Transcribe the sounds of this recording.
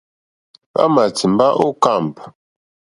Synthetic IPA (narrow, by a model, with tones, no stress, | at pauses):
a̰˦ma˨t͡si˨m̩˦ba˦ʔo˦ka˦˨mp